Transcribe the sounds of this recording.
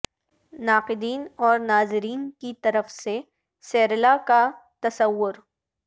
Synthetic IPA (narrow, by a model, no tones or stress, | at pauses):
naːqɪd̪iːnɔːɾnaːzɪɾiːnkit̪ɐɾəfse | sɛːɾlakat̪ɐsəwːʊɾ